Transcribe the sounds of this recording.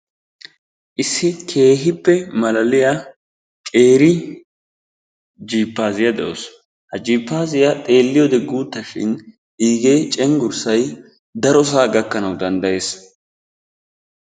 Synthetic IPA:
ʔɪsːɪkʰe̞ːɦɪpːɛmɐlɐlɪjɐ | kʼe̞ːɾɪ | d͡ʒiːpːaːzɪjɐd̪ɛʔo̰s | hɐd͡ʒiːpːaːzɪjɐt̪ʼe̞ːlːɪjɔd̪ɛɡuːt̪ːɐʃɪ̰n | ʔiːɡeːt͡ʃʼɛŋɡʊɾsɐj | d̪ɐɾɔs̬aːɡɐkːɐnɐwd̪ɐnd̪ɐje̞ːs

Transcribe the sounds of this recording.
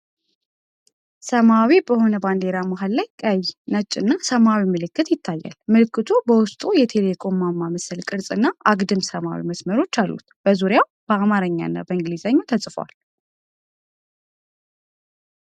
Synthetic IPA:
səmawibəho̞nəband̪e̞ɾamaɦallajkʼəjnət͡ʃʼːɨnːasəmawimɨlɨkːɨt̪jɪt̪ʰːajːa̰lmɨlɨkːɨt̪ʰubəwʊst̪ʼujɛt̪ʰe̞le̞kʰʼo̞mːamːaməsəlkʼɨɾsʼɨnːaʔaɡd̪ɨmsəma̰wḭməsməɾo̞t͡ʃːalːṵt̪b̥əzuɾjawb̥əamaɾəɲːa̰nːa̰bəɨŋɡlizaɲːot̪ʰəsʼfəwa̰l

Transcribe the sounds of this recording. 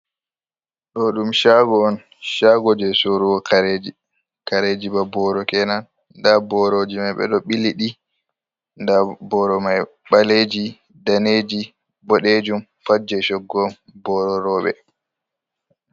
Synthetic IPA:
ɗɔɗumʃaɡɔːn | ʃaɡɔd͡ʒɛsoɾuwɔkʰaɾed͡ʒi | kaɾed͡ʒiɓabɔɾɔkɛnan | dabɔɾod͡ʒimajɓɛ̰ɗɔɓiliɗi | ndabɔɾɔmaj | ɓaled͡ʒi | daned͡ʒi | bɔɗed͡ʒum | fad͡ʒɛʃɔɡːɔm | bɔɾɔɾɔːɓɛ̰

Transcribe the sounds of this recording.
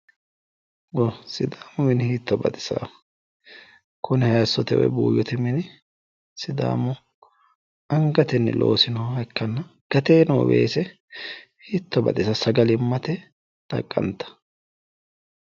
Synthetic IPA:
wɔsɪd̪aːmʊmɪnhiːt̪ːɔbɐ̰t̪ʼɪ̥sɐ̰ | kʰʊnɪhɐjsːɔt̪ɛwɔ̰jbṵːjːɔt̪ɪmɪnɪ | sɪd̪a̰ːmʊ | ɐŋɡɐt̪ɛnːɪ̰lʔo̞̰ːsɪnɔhɐkːɐnːɐɡ̥ɐt̪eːnɔwɔ̰wḛːsɛ | hiːt̪ːɔbɐ̰t̪ʼɪsɐsɐɡɐlɪmːɐt̪ɛ | d̪̥ɐ̰kʼːɐ̰nt̪ɐ̥

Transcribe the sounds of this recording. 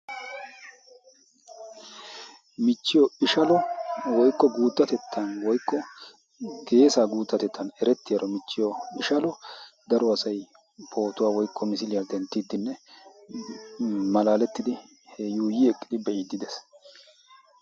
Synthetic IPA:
mɪt͡ʃːɪjɔɪʃɐlɔwɔjkʼːɔɡuːt̪ːɐt̪ɛt̪ʰːɐnwɔjkːɔ | ɡe̞ːsaːɡuːt̪ːɐt̪ɛt̪ːɐnɛɾɛt̪ːɪjɐɾɔmɪt͡ʃːɪjɔɪʃɐlɔd̪ɐɾɔɐsɐj | pʰo̞ːt̪ʊwaːwɔjkʰːɔmɪsɪlɪjad̪ɛnt̪ːiːd̪ːɪnːɛ | mɐlaːlɛt̪ːɪd̪ɪ | hɛjuːjɪɛkʼːɪ̥d̪ɪbɛʔiːd̪ːɪd̪ɛs

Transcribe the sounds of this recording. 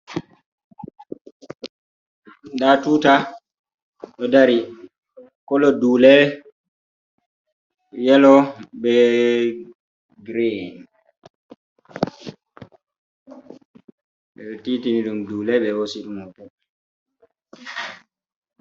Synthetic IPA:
ɗatuta | ɗɔdaɾi | kɔlɔduːlɛ | jɛlɔɓɛ | ɡɾen | ɓɛtitiniɗumdulɛɓɛwosiɗumɔtɛ

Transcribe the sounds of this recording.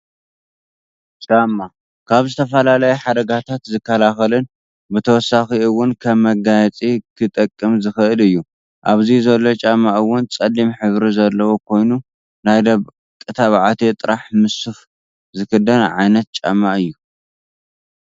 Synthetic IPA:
t͡ʃʼamːa | kʰaβzɨt̪ʰɐfɐlalɐjɛħad̪ɐɡat̪ʰat̪zɨkːɐlaxɐlɨn | bɨt̪ʰɐwɔsːaxiɨwʊnkʰɐβːɐɡajɛt͡sʼikʰɨt̪ʼɐkʼːɨmzɨxɨʔɨlɨjːu | ʔaβzizɐlːo̞t͡ʃʼamːaʔɨwʊnt͡sʼɐlːimħɨβɾizɐlːɐwokʰo̞jnu | najd̪ɐ | kʼɨt̪ʰaβʕat̪ʰet̪ʼɨɾʔaħmɨsuf | zɨkʰɨd̪ɐnʕajnɐt̪̚t͡ʃʼa̰mːaʔɨjːu

